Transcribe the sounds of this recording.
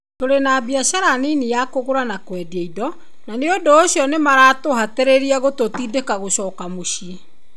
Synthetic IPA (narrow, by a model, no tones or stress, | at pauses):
toɾenaːbiaɕaɾaninijakoɣoɾanakwɛdiɛidɔ | naneondoːɕjɔnemaɾaːtoɦateɾeɾiaɣototiːdekaɣoɕɔːkamoɕie